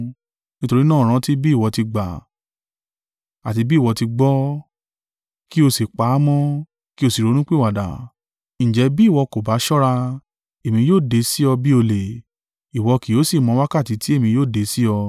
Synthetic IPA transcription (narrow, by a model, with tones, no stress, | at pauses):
nĩ˦to˧ɾi˦nãː˦˨ɾ̃ã˧ti˦bi˦˨wɔ˧ti˧ɡ͡ba̰˨ | a˨ti˧bi˦˨wɔ˧ti˧ɡ͡bɔ˦ | ki˦o˧se˨k͡pa˨˦mɔ̃˦ | ki˦o˧si˨ɾo˧˦nũ˦k͡pe˦wa˨da̰˨ | ñ̩˨d͡ʒɛ˨˧˦bi˦˨wɔ˧ko˨ba˨˦ʃɔ˦ɾa˧ | e˨mĩ˧joː˦˨de˨˧˦si˦ɔ˧bi˦o˧le˨ | i˨wɔ˧ki˨jo˨˦si˦˨mɔ̃˧˦wa˦ka˦˨ti˨˧˦ti˦e˦˨mĩ˧joː˦˨de˨˧˦si˦ɔ˧